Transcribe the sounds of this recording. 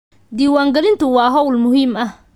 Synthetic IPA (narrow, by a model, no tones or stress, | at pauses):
d̪iːwaːŋɡɐɾɪnt̪ʰʊwɑːɦɔwlmʊhiːmɐh